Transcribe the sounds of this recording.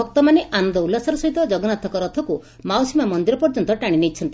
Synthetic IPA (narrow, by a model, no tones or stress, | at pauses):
ɔk̚t̪ɔmaneʔanɔnd̪ɔulːasaɾɔsɔɦit̪ɔd͡ʒɔɡɔnat̪ɔkɔɾɔt̪ʰɔku | mawsimamɔnd̪iɾɔpɔɾd͡ʒɔnt̪ɔʈaɽ̃inet͡ʃʰɔnt̪i